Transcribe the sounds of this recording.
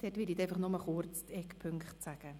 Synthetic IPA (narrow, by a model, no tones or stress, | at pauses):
d̥ɛtʋɪɾit̪ɛjfɑχnʊməχʊɾt͡stʰɛkpʰʏŋkχtsæɡ̥ə